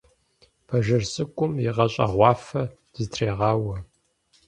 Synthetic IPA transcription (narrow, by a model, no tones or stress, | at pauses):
pʰɐʒɐrsʼɨkʷʼʊmjiʁɐɕʼɐ̰ʁʷɑːfɐ | d̥ɨztʰreːʁɑːwɐ